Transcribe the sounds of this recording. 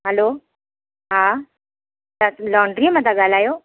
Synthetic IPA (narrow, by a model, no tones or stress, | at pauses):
ɦɛlo | ɦã | t̪alɔɳɖɾimat̪aɡʱalajo